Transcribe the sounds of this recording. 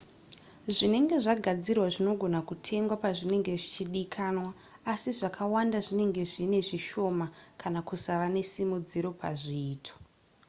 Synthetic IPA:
ʐine̞ŋɡe̞ʐaɡʱad͡zirwaʐino̞ɡʱo̞nakutʰe̞ŋɡwapaʐine̞ŋɡe̞ʐit͡ʃiɗikʰanwaː | siʐakʰawandaʐine̞ŋɡe̞ʐine̞ʐiʃo̞makanakusaʋane̞simud͡ziɾo̞pʰa̰ʐiːtʰo̥

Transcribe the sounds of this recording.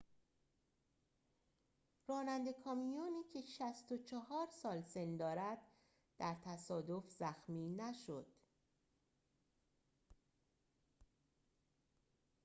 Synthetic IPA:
rɒːnænd̪e̞kʰɒːmijoːniːcʰe̞ʃæst̪o̞t͡ʃʰɒhɒːɾsɒːlse̞nd̪ɒːɾæd̪̥̚ | d̪̥æɾt̪ʰæsɒːd̪o̞fzæxmiːnæʃod̪̥

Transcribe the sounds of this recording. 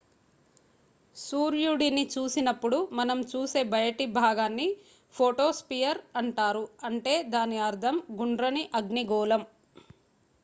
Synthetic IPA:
suːɾjuɽinit͡ʃuːsinɐpːuɽumɐnɐmt͡ʃuːse̞ːbʱɐjɐʈibʱaːɡaːnːi | pʰoːʈoːspijɐɾɐɳʈaːɾuɐɳʈe̞ːd̪aːniɐɾd̪ʱɐmɡuɳɖɾɐniʔɐɡniɡɔːlɐm

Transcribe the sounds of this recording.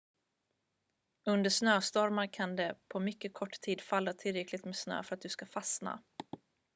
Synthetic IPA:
ɵnd̪əʂnøːst̪ɔɾmaɾkʰand̪ɛpʰɔmʏkːəkʰɔʈːtʰiːd̪falːat̪ʰɪlɾɛklɪɡ̚t̪meːsnø̰ːfœɾat̪̚d̪ɵskafasna̰

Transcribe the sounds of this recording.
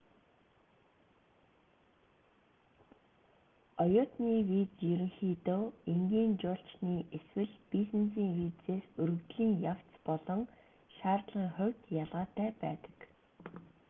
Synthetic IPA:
ɔjʊːt̪niːwit͡sjɵɾɘ̆ŋxiːt̪oːeŋɡʲiːnt͡ɕʊːɬt͡ɕniːʔeswɘ̆ɮpisɘ̆nsiːŋwiːt͡seːsɵɾɣɵ̆ɣt̪ɮiːŋjaw̥t͡st͡spɔɮɞ̆ŋ | ʃaːrt̪ɮʁiːŋχʊwʲt̪jaɮʁaːt̪æːpæ̰ːt̪ə̥̆k

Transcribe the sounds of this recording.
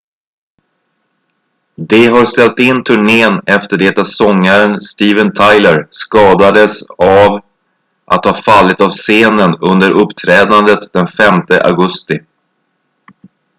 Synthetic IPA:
d̪ɛɦaɾst̪ɛlt̪ɪnːt̪ʰɵɳeːnɛft̪əɖɛːt̪asɔŋːaɾənst̪iːvənt̪ʰajləɾskɑːd̪ad̪əsav | ʔa̰t̪hɑfalːɪt̪avseːnənɵnd̪əɾʔɵpːt̪ʰɾɛːd̪and̪ət̪d̪ɛnfɛmt̪əʔa̰ɡɵst̪ɪ

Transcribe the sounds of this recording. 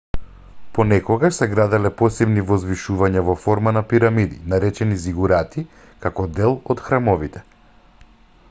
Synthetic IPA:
pɔnɛkɔɡaʃsɛɡɾad̪ɛlɛpɔsɛbnivɔzviʃuvaɲavɔfɔɾmanapiɾamid̪ḭnaɾɛt͡ʃɛniziɡuɾat̪i | kakɔd̪ɛlˠɔt̪xɾamɔvit̪ɛ̥

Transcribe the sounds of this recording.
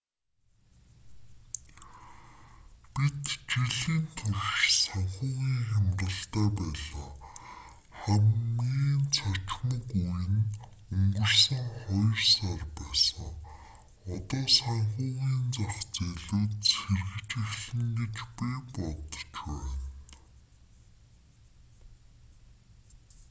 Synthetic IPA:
pit̪t͡ɕiɮiːnt̪ʰɵrʃsaɴχʊːʁiːŋxamrə̆ɬt̪æːpæːɮaː | χæmɡiːnt͡sʰat͡ɕmə̆kujɘ̆n | ɵŋɡɵ̆rsə̆ŋχɔjɞ̆rsarpæːsə̆ŋ | ɔt̪ɔːsaɴχʊːʁiːnt͡saχt͡seɮuːt̪serɣɘ̆t͡ɕɪ̆xɮɘ̆ŋɡĕt͡ɕpijpɔt̪̆t͡ɕwæːn

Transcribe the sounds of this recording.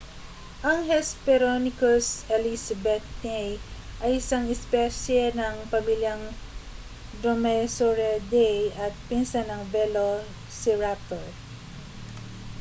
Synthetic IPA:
ʔɐŋhɛspɛɾonɪkosɛlisɐbɛt̪̚nɛjʔɐjɪsaŋɛspɛsjɛnɐŋpɐmiljɐŋ | d̪ɾomɛsoɹɛd̪ɛjɐt̪̚pɪnsanɐŋvɛlo | sɪɹak̚t̪oɹ

